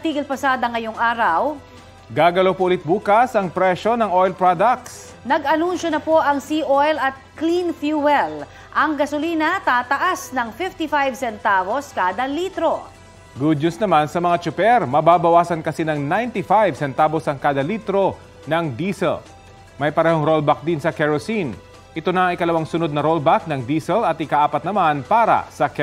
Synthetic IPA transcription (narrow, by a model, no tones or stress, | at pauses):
ɐt̪iːɡɪlpɐsaːd̪ɐŋɐjoŋʔaːɾɐw | ɡaːɡɐlopoʔʊlɪt̪̚buːkɐsɐŋpɾɛʃo̞nɐŋʔojlpɹad̪ɐk̚s | nɐɡʔɐnunʃonɐpoʔɐŋsiʔojlɐt̪̚klinfjuwɛl | ʔɐŋɡɐsoliːnɐt̪aːt̪ɐʔasnɐŋfɪft̪ifajvsɛnt̪aːbo̞skaːd̪ɐlit̪ɾo̞ | ɡʊd̪̚ɲʊsnɐmansɐmɐŋat͡ʃʊpɛɾmɐbaːbɐwaːsɐnkɐsinɐŋnajnt̪ifajvsɛnt̪aːbosɐŋkaːd̪ɐliːt̪ɾo̞ | nɐŋd̪isɛ̰l | mɐjpɐɾɛːhɦoŋɾolbak̚d̪insɐkɛɹosin | ʔɪt̪onɐʔɪjkɐlɐwaŋsʊno̞d̪̚nɐɾolbak̚nɐŋd̪iːsɛlɐt̪̚ɪkaʔaːpɐt̪̚nɐmanpaːɾɐ̰sɐkɛ